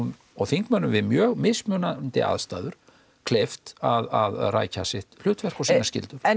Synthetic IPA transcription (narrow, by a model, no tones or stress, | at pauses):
n | ɔɣθiŋkmanːʏmvɪðmjœːɣmɪsmjœnant̪ɪ̰ʔa̰ðst̪aːðʏɾ̥ | kʰlejft̪aðaðra̰ːjcasɪht̪l̥ʏːt̪vɛr̥kɔsinascɪ̰lt̪ʏɾ̥